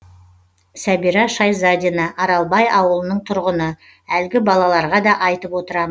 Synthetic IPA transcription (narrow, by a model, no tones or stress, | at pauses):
sæbiɾɑʃɑjzɑd̪ʲinɑʔɑɾɑlˠbɑjʔɑwəlˠənəɴt̪ʰʊɾʁənə | ælɡʲɪbɑlˠɑlˠɑɾʁɑd̪ɑʔɑjt̪əpwo̞t̪əɾɑmə